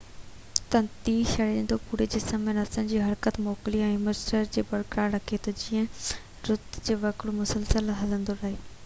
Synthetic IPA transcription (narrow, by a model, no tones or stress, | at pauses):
t̪ɐ̃nt̪iːʃɐɽẽnd̪opuːɾed͡ʑɪsəmẽnɐsə̃ːɲd͡ʑiːɦɐɾkət̪moːkliɛ̃məɾsʈəɾd͡ʑeːbɐɽkɾaːɾɐkʰet̪od͡ʑɪːə̃ | ɾʊd̪d͡ʑeːʋɐkɽumʊsəlsəlɦɐlə̃nd̪oɾɐɦeː